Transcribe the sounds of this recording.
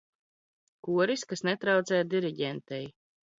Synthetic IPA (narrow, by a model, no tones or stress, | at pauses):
kuɔɾiskasnɛt̪ɾawt̪sɛjad̪iɾiɟʲɛnt̪ɛj